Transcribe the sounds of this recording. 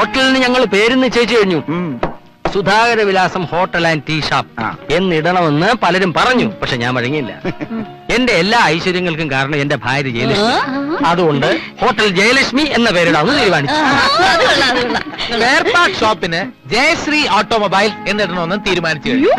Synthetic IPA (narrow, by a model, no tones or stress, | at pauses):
hoːʈːɐlinɨɲɐŋːɐɭpe̞ːɾunːɨt͡ɕːeːjt͡ɕːɨkɐɻiɲːu | sud̪ʱaːɣɐɾɐʋilaːsɐmho̞ːʈːɐlaːntiːʂaːp̚ːe̞nːiɽɐɳɐmonːɨpɐlɐɾumpɐrɐɲːupɐkʂeɲa̰ːmɐɻɐŋːijilːɐ̰ | e̞nde̞ːlːaːɐjɕwɐɾjɐŋːɐɭkumkaːɾɐɳɐme̞nde̞bʱaːɾjɐd͡ʑejliʂiɐðuɣo̞ɳɖɨho̞ːʈːɐld͡ʑejɐliʂmie̞nːɐpe̞ːɾuɽaːʋunːɨt̪iːɾumaːɳit͡ɕːu | peːrpaːʈʂoːpːinɨ | d͡ʑejsrioːʈːoːmobɐjle̞nːiɽɐɳɐmonːɨt̪iːɾumaːnit͡ɕːɨkɐɻiɲː